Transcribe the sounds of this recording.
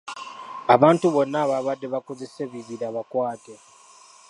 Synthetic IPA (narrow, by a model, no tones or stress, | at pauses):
aβaːntuβo̞nːaːβaβadːeβakozeseβiβiɾaβakwaːte